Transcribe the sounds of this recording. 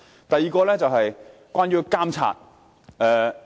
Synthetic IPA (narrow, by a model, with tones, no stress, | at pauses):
t̪ɐ˨jiː˨˧kɔː˧lɛː˥t͡sɐ˨wɦɐ˨jkʷaː˥nɥyː˥kaː˥mt͡sʰa̰ː˨t̚ | ɛː˨˧